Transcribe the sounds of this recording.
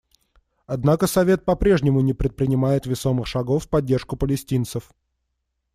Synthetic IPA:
ɐd̪nakəsɐvʲe̞t̪̚pɐpɾʲe̞ʐnʲɪmʊnʲɪpɾʲɪt̪̚pɾʲɪnʲɪmajɪt̪vʲɪso̞mɨxʂɐɡo̞fːpɐdʲːe̞rʂkʊpəlʲɪsʲtʲint̪səf

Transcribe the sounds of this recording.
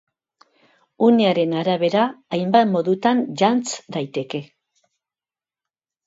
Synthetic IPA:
uneaɾe̞naɾaβ̞e̞ɾaːjmbat̪mo̞ðut̪anʎant͡sd̪ajt̪e̞ke̞

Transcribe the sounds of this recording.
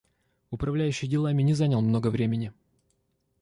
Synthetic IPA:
ʊpɾɐvlʲæjʉɕːɪjdʲɪlˠamʲɪnʲɪzanʲəlˠmno̞ɡəvɾʲemʲɪnʲɪ

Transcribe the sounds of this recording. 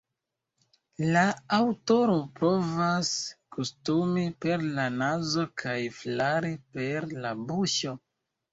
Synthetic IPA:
laawto̞ɾo̞pɾo̞vaskustumipe̞ɾlanazo̞kʰajflaɾipe̞ɾlabuʃo̞

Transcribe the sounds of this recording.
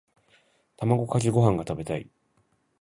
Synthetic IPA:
t̪amaɡo̞kak̬ʲiɡo̞ɦãŋɡat̪abe̞t̪aḭ

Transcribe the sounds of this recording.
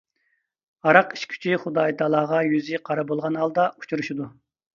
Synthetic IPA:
ɑɾɑqi̥ʃkʲʰy̥t͡ʃʰiχud̪ɑjt̪ɑlˠɑːʁɑjyzɪqʰɑɾɑbolˠʁɑnɦɑlˠd̪ɑu̥t͡ʃʰuɾuʃid̪u

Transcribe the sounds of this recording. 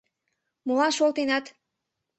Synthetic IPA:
mulɑnʃolˠt̪enɑt̪

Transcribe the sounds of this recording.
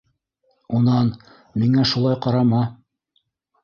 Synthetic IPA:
unɑn | miŋæʃulˠɑjqɑɾɑmɑ

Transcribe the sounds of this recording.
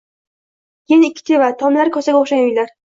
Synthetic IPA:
jenɪkʲʰːɪ̥t̪ʰe̞vat̪ʰɒmlaɾɪkʰɒsaɡʲaoχʃanʊjlaɾ

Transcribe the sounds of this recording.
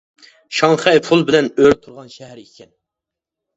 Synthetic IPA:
ʃɑŋχɛjpʰulˠbɪlɛnøɾt̪ʰuɾʁɑnʃɛɦæɾikʲʰɛn

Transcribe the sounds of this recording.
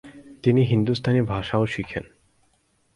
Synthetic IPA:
t̪iniɦind̪ust̪ʰanibʱaʃaoʃikʰen

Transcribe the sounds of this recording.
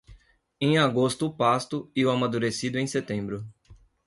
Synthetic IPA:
ẽj̃aɡost̪ʊːpast̪ʊiʊamad̪uɾesid̪ʊẽj̃set̪ẽmbɾʊ

